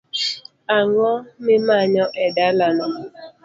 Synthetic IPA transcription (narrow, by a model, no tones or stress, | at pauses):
aŋɔmɪmaɲɔʔɛdalanɔ